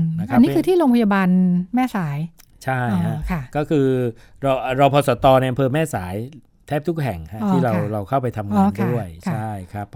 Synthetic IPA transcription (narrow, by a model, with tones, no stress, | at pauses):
na˦˧kʔa˧˦nːi˦kʰɯː˧t̪ʰiː˥ɾoː˧ŋpʰa˧ja˧baː˧nmɛː˥˩saː˩˦j | t͡ɕʰa˥˩ja˦˥kʰa˥˩kɔː˥˩kʰɯː˧ɾa˧wʔɾa˧wpʰɔː˧sɔ˩˦t̪ɔː˧na˧jʔa˧mpʰɤː˧mɛː˥˩saː˩˦j | t̪ʰɛː˦˥˩p̚t̪ʰu˥k̚ɦɛ˨˩ŋha˦˥tʰiː˥˩ɾa˧wɾa˧wkʰa˥˩wpa˧jt̪ʰa˧mŋaː˧nkʰdu˥˩ə˧jkt͡ɕʰa˥˩jkʰɾa˦˥p̚